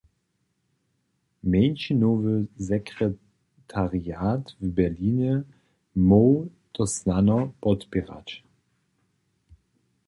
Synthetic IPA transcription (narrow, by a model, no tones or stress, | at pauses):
mɛnʃinoːvəzɛkʁɛ | tʰaʁiaːtvbɛɐliːnɛ | mowtɔsnanɔpɔtpiʁa̰t